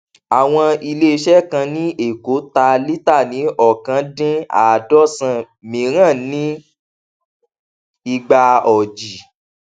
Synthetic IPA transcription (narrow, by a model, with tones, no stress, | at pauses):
a˨w̃ɔ̃˧i˧le˦˧ʃɛ˦kã˧nĩ˦e˨ko˨˦ta˧li˦ta˦˨nĩ˨˦ɔ˦˨kã˧˦dĩ˦a̰˨dɔ˦sã˧ | mĩ˨˦ɾ̃ã˦˨nĩ˦ | i˧˨ɡ͡ba˧ɔ˨d͡ʒi˨